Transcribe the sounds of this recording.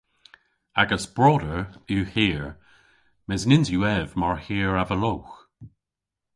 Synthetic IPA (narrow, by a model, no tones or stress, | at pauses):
aɡəsb̥ɹɔdəɹuhiːɹ | mɛznɪnzjuɛvmaɹhiːɹavəlowx